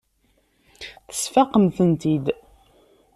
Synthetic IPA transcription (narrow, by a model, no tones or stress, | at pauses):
θə̥sfaqəmθənt̪id̪